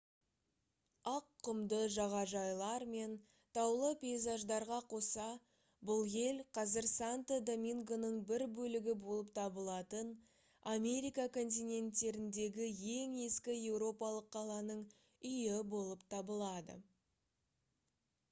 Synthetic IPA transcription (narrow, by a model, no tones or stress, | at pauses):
ɑqʰːʊmd̪əʒɑʁɑʒɑjlˠɑɾme̞n | t̪ʰɑwlˠəpʲe̞jzɑʒd̪ɑɾʁɑqʰo̞sɑ | bʊlˠje̞lqʰɑzɪɾsant̪əd̪omʲiŋɡo̞nəɴbɪɾbɵlɪɡʲɪbo̞lˠəp̚t̪ʰɑbəlˠɑt̪ən | amʲe̞ɾijkakʰo̞nt̪̬ijnʲe̞nt̪ːe̞ɾɪnd̪e̞ɡʲɪje̞ŋe̞skʲɪje̞wɾo̞pɑlˠəqʰːɑlˠɑnəɴ | ʏjɪbo̞lˠəpt̪ʰɑbəlˠɑd̪ə̰